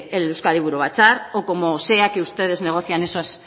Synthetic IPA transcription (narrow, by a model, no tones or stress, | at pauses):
elewskaliβuɾuβat͡saɾoko̞mo̞se̞akeust̪e̞ðe̞zne̞ɣ̞o̞θianesoas